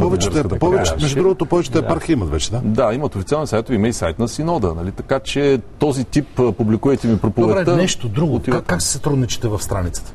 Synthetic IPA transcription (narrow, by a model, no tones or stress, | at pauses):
pɔvɛt͡ʃ̪ɛɾsɛkət̪əpvɛt͡ʃɛmɛʒd̪ud̪ɾuɡot̪opɔvɛt͡ʃɛt̪ɛpaɾxiimɐt̪vɛt͡ʃɛd̪ad̪aimɐt̪ofit̪sʲalɛnsajt̪ovimɐisajt̪nɐsinɔd̪ənɐlit̪ɐkat͡ʃɛt̪ɔzit̪ipːpublikuvɐjt̪ɛmipɾopovɛɾɛənɛʃt̪od̪ɾuɡooivaɐkːaksi̥sɐt̪ɾud̪nit͡ʃɛ̥t̪ɛvɐfst̪ɾanit̪sə̥t̪ə̥